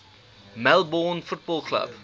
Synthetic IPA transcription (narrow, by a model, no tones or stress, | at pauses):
mælˠbɔnfut̚bɔlˠklɐ̰p